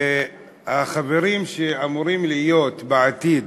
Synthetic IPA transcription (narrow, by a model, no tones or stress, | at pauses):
aχave̞ɾimʃeamuɾimlijo̞t̪beat̪id̪